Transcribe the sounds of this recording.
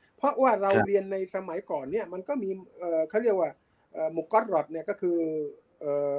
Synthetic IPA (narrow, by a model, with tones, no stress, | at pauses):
pʰɔ˦˥ʔwaː˥˩ɾa˧wɾi˧ənːa˧jsa˧ma˩˦jkɔː˨˩nːi˥˩ɐma˧nkɔː˥˩miː˧ʔɤː˨˩kʰa˥˩wɾi˥˩ək̚waː˥˩ | ʔɤː˨˩mu˨˩kɔ˦˥ɾɔ˨˩t̪̚ni˥˩ɐkɔː˥˩kʰɯː˧ | ʔɤː˨˩